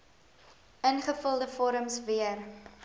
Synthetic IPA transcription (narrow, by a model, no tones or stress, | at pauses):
ənχəfəlˠdəfɔɾəmsviər